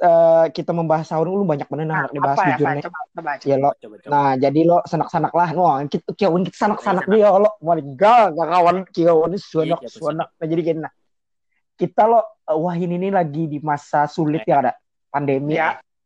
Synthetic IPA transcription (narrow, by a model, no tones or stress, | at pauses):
əkit̪aməmbaɦasaunkulʊbaɲak̚bənənanak̚dibaɦasid͡ʒʊrnɪjalɔnad͡ʒadilɔsanak̚sanak̚lahnkikiawankit̪ḁsanaksanak̚dialɔʔmalɪŋɡaɡakawankiawansuanɔksuanɔk̚nad͡ʒadikinnah | kit̪alɔ | əwaɦininilaɡidimasasulɪt̪̚jakada | pandemi